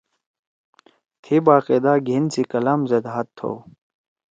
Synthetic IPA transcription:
t̪ʰibaːqeːd̪aːɡʱint͡sikɐlaːmzed̪ɦat̪ʰːo̰

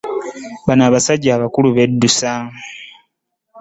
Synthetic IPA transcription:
βanaːβasaɟaːβakuluβe̞dːusa

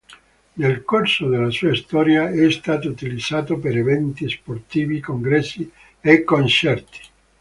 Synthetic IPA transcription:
nelkorsod̪elːasuːaist̪ɔːɾjaɛst̪aːt̪out̪ilid̪z̥aːt̪opeɾevɛnt̪isport̪iːvikoŋɡɾɛsːi | ekːont͡ʃɛrt̪i̥

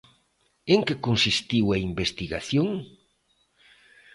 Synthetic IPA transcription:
eŋkekonsist̪iwɐimbest̪iɣaθjoŋ

